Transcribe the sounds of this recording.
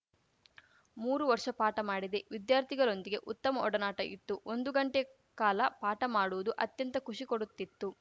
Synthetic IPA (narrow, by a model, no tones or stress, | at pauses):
muːɾuʋɐɾʂɐpaːʈɐmaːɽid̪e̞ʋid̪jaːɾt̪ʰiɡɐɭo̞nd̪iɡe̞ʔut̪ːɐmɐɔɽɐnaːʈɐʔḭt̪ːuʔond̪uɡɐɳʈe | kaːlɐpaːʈɐmaːɽuʋud̪uʔɐt̪jɐnt̪ɐkuʂikoɽut̪ːit̪ːu